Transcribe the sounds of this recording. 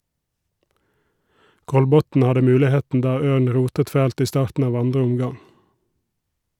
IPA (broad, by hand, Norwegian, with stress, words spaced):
ˈkɔlbɔtn̩ ˈhɑdə ˈmʉːlɪˌheːtn̩ ˈdɑː ˈøːɳ ˈɹuːtət ˈfæːlt ˈiː ˈstɑːɾtn̩ ˈɑːʋ ˈɑndʁə ˈʊmˌɡɑŋ